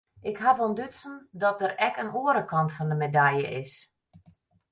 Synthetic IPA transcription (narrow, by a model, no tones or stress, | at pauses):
ʔɪkɦavɔndøtsən̩dɔt̚əɾɛkənoəɾəkɑntfɔndəmedajə̰ʔɪs